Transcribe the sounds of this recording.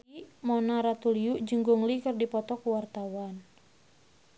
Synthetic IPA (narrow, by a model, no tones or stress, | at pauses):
imɔnaɾat̪uliuʔd͡ʒəŋɡuŋlikɨrdipɔt̪ɔkuwart̪awan